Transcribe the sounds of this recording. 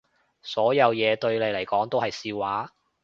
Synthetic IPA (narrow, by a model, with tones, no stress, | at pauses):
sɔː˨˥jɐ˨˧wjɛː˨˧t̪ɵ˧ɥle˨˧jlɐ˨˩jkɔː˨˥ŋt̪o˥whɐ˨jsiː˧waː˨˥